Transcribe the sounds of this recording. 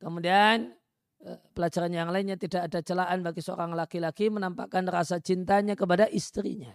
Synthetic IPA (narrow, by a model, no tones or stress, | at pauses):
kəmudian | pəlat͡ʃaɾanjaŋlainɲat̪idaʔːdat͡ʃəlaʔanbaɡisəo̰ɾaŋlakilakimənampa̰kanrasat͡ʃint̪aɲakəp̬adaʔist̪ɾḭɲa